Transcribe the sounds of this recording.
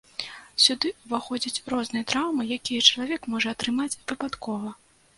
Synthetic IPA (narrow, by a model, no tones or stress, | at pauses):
sʲud̪ɨvaxɔd͡zʲit͡sʲɾɔznɨjɛt̪ɾawmɨjakʲijɐt͡ʂɐlˠavʲɛkmɔʐɐːt̪ɾɨmat͡sʲvɨpat̪kʰɔvɐ